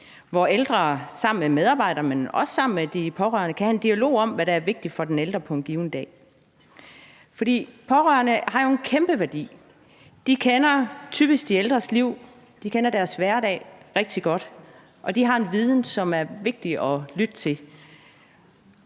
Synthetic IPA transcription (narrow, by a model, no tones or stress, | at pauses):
ʋɒeld̥ʁɐsɑ̈m̰n̩memeð̞ˠɑ̈ːb̥ɑ̈ɪ̰ɾ̥ɐmenɒ̽sə̥sɑ̈m̰n̩med̥ipʰɒ̽ʁœ̰ːɐnəkʰæhæend̥iælo̝̰ːɒ̽m̰ʋæɾ̥æːɐʋe̝ɡ̥̚d̥ifɒ̽d̥eneld̥ʁɐpʰɒ̽enɡ̥iːʊnəd̥ɛ̰ː | fɒ̽d̥ḭːpʰɒʁœ̰ːɐnəhɑ̈jo̝e̝nkʰemb̥əʋæɐd̥ḭː | d̥ikʰenɐt͡sʰyːb̥isɡ̥̚d̥ield̥ʁɐsliʊ̰ | d̥ikʰenɐd̥æɐsʋæɐd̥ɛ̰ːʁɛɡ̥̚d̥iɡ̥ɒ̽d̥ | ʔɒ̽d̥iɦɑ̈e̝nʋiːð̞ˠn̩sɒ̽mæɐʋe̝ɡ̥̚d̥iɒ̽lyd̥ət͡sʰe̝l